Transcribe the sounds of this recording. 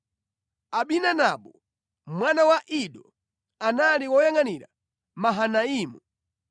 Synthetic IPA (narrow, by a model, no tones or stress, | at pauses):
aɓinanaɓɔ | mwanawaʔiɗɔ | analiwɔjaŋaniɾa̰ | maɦanaiːmu